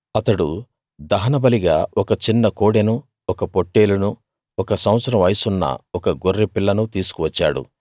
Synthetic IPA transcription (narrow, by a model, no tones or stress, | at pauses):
ɐt̪ɐɽu | d̪ɐɦɐnɐbɐliɡaːɔkɐt͡ʃinːɐkoːɽenu | ɔkɐpo̞ʈːe̞ːlunu | ɔkɐsɐ̃w̃ɐt̪sɐɾɐmʋɐjsunːɐ̰ɔkɐɡorːepiɭːɐnut̪iːsu̥kuʋɐt͡ʃːa̰ːɽṵ